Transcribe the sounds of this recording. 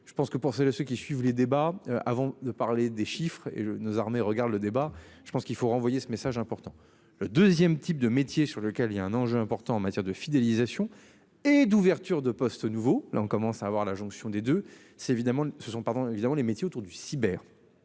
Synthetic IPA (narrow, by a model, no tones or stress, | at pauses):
ʒ̥ə̥pɑ̃skəpuʁselsøkʲisɥivled̪ebaøʔa̰vɑ̃d̪əpaʁled̪eʃifχḛnozaʁmeʁəɡaʁd̪ləd̪ebaʒəpɑ̃skilfoʁɑ̃vwajesəmesaʒɛ̃pɔʁt̪ɑ̃ | ləd̪øzjɛmt̪ʰip̚d̪əmet̪jesyʁləkʲɛliljaɛ̃nɑ̃ʒøɛ̃pɔʁt̪ɑ̃ːmat̪jɛʁd̪əfid̪elizasjɔ̃ | ed̪uvɛʁt̪yʁd̪əpɔst̪nuvolʔa̰ɔ̃kɔmɑ̃saːvwaʁlaʒɔ̃ksjɔ̃d̪ed̪ø | sɛt̪evid̪amɑ̃səsɔ̃paʁd̪ɔ̃evid̪amɑ̃lemet̪jeot̪uʁd̪ysibɛːʁ